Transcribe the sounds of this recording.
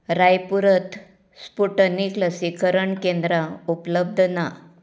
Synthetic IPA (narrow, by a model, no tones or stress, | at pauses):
ɾajpuɾət̪ | spuʈənikləsikəɾəɳkẽnd̪ɾaupləb̚d̪ʱna